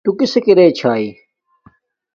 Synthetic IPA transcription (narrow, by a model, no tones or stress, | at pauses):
t̪ukɪsekiɾeːt͡ɕʰaːiː